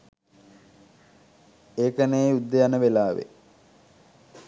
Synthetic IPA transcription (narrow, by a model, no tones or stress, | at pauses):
eːkənejud̪ːejanəʋelaːʋḛ